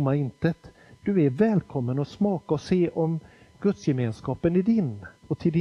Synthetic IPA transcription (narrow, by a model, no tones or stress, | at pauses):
mːaɾɪnt̪ət̪ | d̪̥ɵæɾvɛːlkʰɔmːənɔsmɑːkaɔseːʔɔm | ɡ̥ɵt̪sjɛmeːnskɑːpənɪd̪ɪnɔt̪ʰɪld̪ɪ